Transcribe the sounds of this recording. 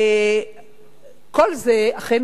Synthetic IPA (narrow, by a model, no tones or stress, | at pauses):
e | kolzeaχen